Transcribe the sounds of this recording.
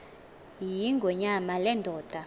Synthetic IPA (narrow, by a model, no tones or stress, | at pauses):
jiŋɡʱɔɲamalɛndʱɔːd̥ʱa